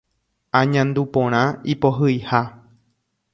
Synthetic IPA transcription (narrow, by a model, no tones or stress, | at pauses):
ãɲãnd̪upõɾ̃ãipoɦɨiha